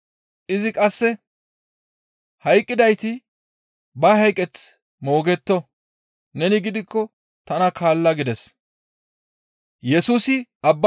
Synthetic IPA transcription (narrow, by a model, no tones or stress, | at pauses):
ʔɪzɪkʼɐsːɛ | hɐjkʼːɪd̪ɐjt̪ɪ | bɐhɐjkʼɛt͡s | mo̞ːɡɛt̪ːɔ | nɛnɪɡɪd̪ɪkːɔ | t̪ɐnɐkʰaːlːɐɡɪd̪ɛs | jɛsuːsɪɐbːɐ